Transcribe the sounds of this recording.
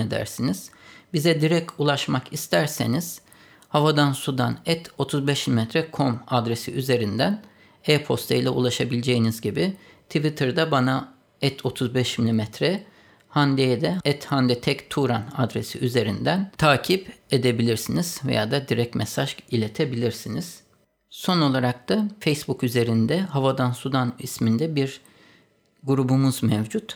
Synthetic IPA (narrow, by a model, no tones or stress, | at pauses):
ed̪æ̰ɾsiniz̥bizɛd̪iɾɛc̚ct̪ʰulˠaʃmakist̪ʰæɾse̞niz̥ | havad̪ansud̪anɛt̪ʰo̞t̪ʰuzbɛʃmilʲimɛt̪ʰɾɛkʰo̞mad̪ɾesiʔyze̞ɾind̪æn | ɛpʰo̞st̪ʰejlʲɛṵlˠaʃabilʲed͡ʒejinizɟibi | t̪ʰivit̪ʰɯɾd̪abana | ɛt̪ʰo̞t̪ʰuzbɛʃmilʲimɛt̪ʰɾɛ | hand̪eed̪ɛɛt̪hand̪ɛt̪ʰɛct̪ʰuɾana̰d̪ɾe̞sḭʔyze̞ɾind̪ænt̪ʰaːcʰibe̞d̪e̞bilʲiɾsiniz̥vḛja̰d̪ad̪iɾɛc̚mʔɛsaʒilʲe̞t̪ʰe̞bilʲiɾsiniz̥ | so̞no̞lˠaɾak̚t̪afejsbukyze̞ɾind̪ɛɦavad̪ansud̪anismind̪ɛbiɾ | ɡuɾubumuzmɛvd͡ʒut̪